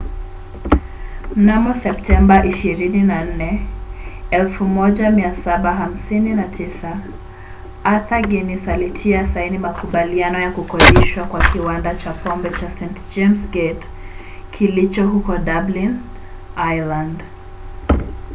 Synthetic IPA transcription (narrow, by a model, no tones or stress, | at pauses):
m̩namɔsɛp̚tʰɛmbaʔiʃiɾininan̩nɛ | ɛlfumɔʄamiasaɓaɦam̩sininatʰisa | aθaɡɛnisalitʰiasainimakuɓalianɔjakukɔɗiʃwakwakiwandat͡ʃapɔmbɛt͡ʃasɛ̃ntd͡ʒemsɡet | kʰilit͡ʃɔɦukɔɗablin | ajland